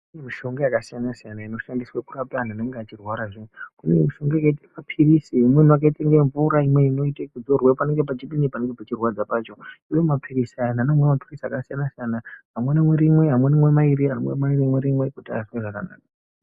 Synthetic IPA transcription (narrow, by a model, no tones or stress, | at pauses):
kunemiʃo̞ŋɡajakasijanasijanaino̞ʃandiswakurapan̤aneŋɡeat͡ʃirwaɾaʐekunemiʃo̞ŋɡajakaitiamapʰirisiimwen̤uak̬aitaŋɡeɱvuɾaimweino̞itakud͡zo̞rwepane̞ŋɡe̞pat͡ʃiɓinipane̞ŋɡepat͡ʃirwad͡zapaːt͡ʃo̞ijomapʰirisananamwemapirisakasijanasijanaɦamwenamweɾimwe̞ɦamwenemwemaiɾiɦamwḛmaiɾimweɾimwekutaiswaʐaka̰na̰ːka